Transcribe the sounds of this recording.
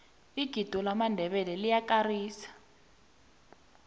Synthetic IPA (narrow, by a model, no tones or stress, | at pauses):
iɡ̥ʱid̥ʱɔlamandʱɛβɛlɛlijakariːsḁ